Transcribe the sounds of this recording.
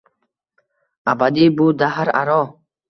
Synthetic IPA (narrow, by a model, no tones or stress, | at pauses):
abad̪ibud̪aɦaɾa̰ɾɔ